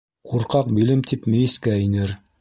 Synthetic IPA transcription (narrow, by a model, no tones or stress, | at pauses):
qʰuɾqɑq̚bilɘmt̪ʰipmɘ̆jɘ̆skæinɘɾ